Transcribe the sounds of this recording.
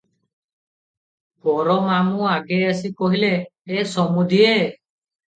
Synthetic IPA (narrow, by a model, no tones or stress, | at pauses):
bɔɾɔmamuaɡɛas̬ikɔɦilɛːsɔmud̪ʱie